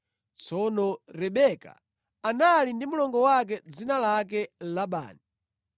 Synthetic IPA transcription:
t͡sɔnɔɾɛɓɛka̰ | analindimulɔŋɡɔwak̬ɛd͡zinalakɛlaɓa̰ːni

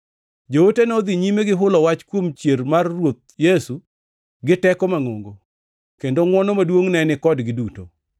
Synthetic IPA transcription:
d͡ʒowotenɔd̪iɲimeɡɪɦʊlɔwat͡ʃkwomt͡ʃjermarːwot̪̚jesu | ɡɪtɛkɔmaŋo̰ŋɡo | kendoŋwɔnomadwoŋnɛnɪkɔdɡɪduto̰

